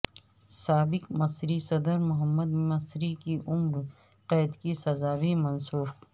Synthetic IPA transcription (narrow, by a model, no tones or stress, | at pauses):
saːbɪqmɐsɾisɐd̪əɾmʊɦəmːɐd̪mɐsɾikiʔʊmɾ | qɛːd̪kisɐzaːwimɐnsuːf